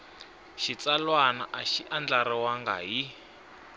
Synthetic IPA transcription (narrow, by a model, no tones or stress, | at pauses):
ʃit͡salwanaʔaʃiʔand͡ɮaɾɛwaŋɡa̰ɦi